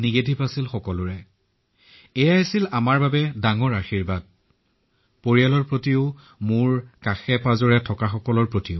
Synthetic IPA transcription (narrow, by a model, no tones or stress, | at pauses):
niɡedʱipasilxɔkɔlʊɹɛ | ɛjaasilamaɹbabɛdaŋɔɹaxiɹbad̚ | poɹialɔɹpɹotiʊ | mʊɹkaxɛpazɔɹɛtʰɔkaxɔkɔlɔɹpɹotiʊ